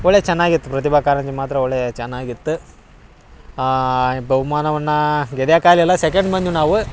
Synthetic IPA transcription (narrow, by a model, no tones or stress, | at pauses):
ɔɭːet͡ʃɛnːaːɡit̪ːupɾɐt̪̬ibʱakaːɾɐɲd͡ʒimaːt̪ɾɐoɭːet͡ʃɛnːaːɡit̪ːu | ɡɐʋumaːnɐʋɐnːɐɡɛɽjakaːliɛlːɐsekeɳɖmɐnd͡ʒunaːʋu